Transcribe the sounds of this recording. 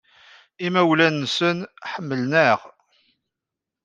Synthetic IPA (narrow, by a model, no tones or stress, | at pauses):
imæwlænːsənħəmːəlnəʁ